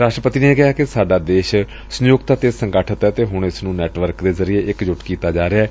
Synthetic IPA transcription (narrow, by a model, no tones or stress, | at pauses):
ɾaːʃʈɾəpət̪iːneeːkɪɦaːkɪsaːɖaːd̪eːʃ | sənjoːɡt̪aːt̪eːsəŋɡaːʈʰət̪ɛːt̪eːɦʊɳɪsnũːnɛːʈʋəɾkd̪eːzəɾɪeːʔɪkd͡ʒʊʈkiːt̪aːd͡ʒaːɾeaɛː